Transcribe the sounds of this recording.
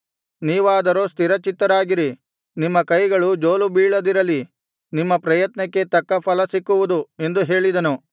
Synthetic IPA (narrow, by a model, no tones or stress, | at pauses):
niːʋaːd̪ɐɾoːst̪iɾɐt͡ʃit̪ːɐɾaːɡiɾi | nimːɐkɐjɡɐɭud͡ʒo̞ːlubiːɭɐd̪iɾɐlːi | nimːɐpɾɐjɐt̪nɐkːe̞t̪ɐkːɐpʰɐlɐsikːuʋud̪ue̞nd̪uɦe̞ːɭid̪ɐnu